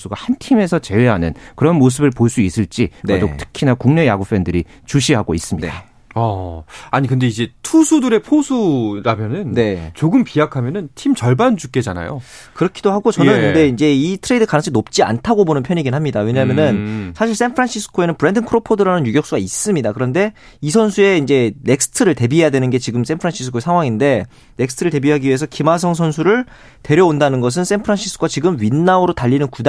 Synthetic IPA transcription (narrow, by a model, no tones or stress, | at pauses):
s͈uɡahantʰime̞sʰʌt͡ɕe̞we̞ɦanɯnkɯɾʌnmos̬ʰɯbɯɭpoɭs͈uis͈ɯɭt͡ɕ͈inedotʰɯ̥kʰinakuŋne̞jaɡup͈ʰendɯɾi | t͡ɕuɕʰiɦaɡois͈ɯmɲida | ʌaɲik̬ɯnde̞id͡ʑe̞tʰusʰudɯɾe̞pʰosʰuɾamjʌnɯnne̞t͡ɕoɡɯmpiakʰamjʌnɯntʰimt͡ɕʌɭband͡ʑuk̚k͈ed͡ʑana̰jo̰ | kɯɾʌkʰidohaɡot͡ɕʌnɯnnde̞ind͡ʑe̞itʰɯɾe̞idɯkanɯt͡ɕʰinop̚t͡ɕ͈ia̰ntʰaɡobonɯnpʰjʌɲiɡinɦamɲidawe̞ɲamjʌnɯnsʰaɕʰiɭs͈enpʰɾanɕʰisʰɯ̥kʰoe̞nɯnpɯɾe̞ndɯnkʰɯɾopʰodɯɾanɯnjuɡjʌk̚s͈uɡais͈ɯmɲidakɯɾʌnde̞ | isʰʌnsʰue̞ind͡ʑe̞ne̞k̚s͈ʰɯ̥tʰɯɾɯɭte̞biɦe̞jadwenɯnɡe̞t͡ɕiɡɯms͈enpʰɾanɕʰisʰɯ̥kʰoesʰaŋɦwaŋinde̞ | ne̞k̚sɯ̥tʰɯɾɯɭte̞biɦaɡiɥie̞sʰʌkimas̬ʰʌŋs̬ʰʌnsʰuɾɯɭ | te̞ɾjʌondanɯnɡʌs̬ʰɯns͈enpʰɯɾanɕʰis͈ʰɯkʰwat͡ɕiɡɯmɥinːaoɾotaʎːinɯnkud